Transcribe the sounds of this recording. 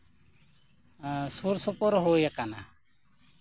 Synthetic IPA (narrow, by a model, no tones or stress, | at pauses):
suɾsɔpɔɾɦojakana̰